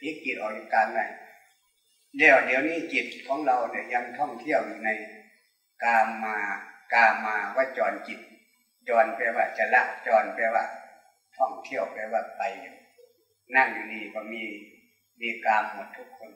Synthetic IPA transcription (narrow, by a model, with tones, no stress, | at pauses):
piː˧˥˩ki˨˩t̪̚ʔɔː˨˩ji˧˩kaː˧nda˧˩j | lɛː˧˩wdi˨˦ə˧wniː˧˥˨ki˨˩t̪̚kʰɔː˨˦ŋla˧˩wna˧˩ja˧ŋt̪ʰɔ˧˥˩ŋt̪ʰi˧˥˨əwju˧na˧˩j | kaː˧mːaː˧kaː˧mːaː˧waː˧˩t͡ɕɔː˨˧nki˨˩t̪̚ | t͡ɕɔː˧npɛ˧waː˧˩t͡ɕa˧la˧˥ʔ̚t͡ɕɔː˨˧npɛː˧waː˧˩ | t̪ʰɔ˧˩ŋt̪ʰi˧˥˩əwpɛː˧˩waː˧˩pa˨˧j | na˧˩˨ŋjuː˧niː˧˩bɔː˧miː˧ | miː˧˨kaː˧mːo˨˧˦t̪ʰːu˧˥kʰːo˧˨n